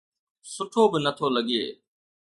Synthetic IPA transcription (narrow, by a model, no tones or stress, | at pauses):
sʊʈʰoːbɪnət̪ʰoːləɠɪḛː